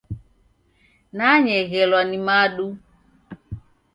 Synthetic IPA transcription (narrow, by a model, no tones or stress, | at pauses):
naɲɛɣɛlwanimaɗu